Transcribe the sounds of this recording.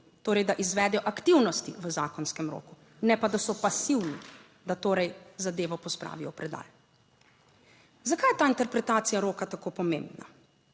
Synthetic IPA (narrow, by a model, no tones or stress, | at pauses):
t̪oːɾɛjd̪aʔizʋɛːd̪ɛjɔʔakt̪iwnɔst̪iʋəzaːkɔnskɛmɾo̰ːku | nɛpad̪asɔpasiwni | d̪at̪oːɾɛjzad̪eːʋɔpɔspɾa̰ːʋijɔpɾɛd̪a̰ːj | zakaːjɛt̪aːint̪ɛɾpɾɛt̪aːt̪sijaɾoːkat̪akopɔmḛ̃mbna̰